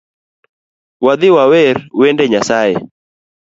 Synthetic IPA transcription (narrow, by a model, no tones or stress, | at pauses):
wad̪ɪwawɛrwɛndɛɲasaɛ̰